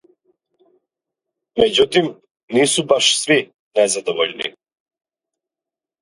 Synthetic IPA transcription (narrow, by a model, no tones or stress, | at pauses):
mɛɟut̪im | nisubaʃsvi | nɛzad̪ɔvɔʎnḭ